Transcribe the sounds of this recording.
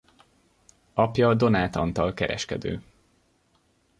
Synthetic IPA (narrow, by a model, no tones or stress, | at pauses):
ɒpjɒd̪o̞naːt̪ɒnt̪ɒlkɛɾɛ̰ʃkɛd̪ø̰ː